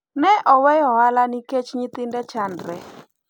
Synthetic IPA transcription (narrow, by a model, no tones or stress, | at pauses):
nɛʔɔwɛjɔɦalaniket͡ʃɲit̪ɪndɛt͡ʃandɾɛ̰